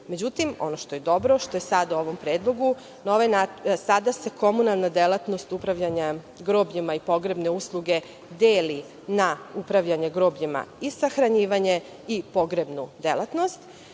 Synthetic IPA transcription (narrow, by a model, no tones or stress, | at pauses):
me̞d͡ʑut̪imo̞̰noʃt̪o̞je̞d̪o̞bɾo̞ʃt̪o̞jesad̪auo̞ʋo̞mpɾeːd̪lˠo̞ɡu | naoʋejnasad̪ase̞kʰo̞munalˠnad̪elˠat̪no̞st̪upɾaʋʎaɲa | ɡɾoːbɲimaipo̞ɡɾebne̞uslˠuɡe̞ | d̪eːli | naupɾaʋʎaɲeɡɾo̞ːbɲima̰isaxɾaɲiːʋaɲe̞ | ipo̞ɡɾebnud̪elˠat̪nost̪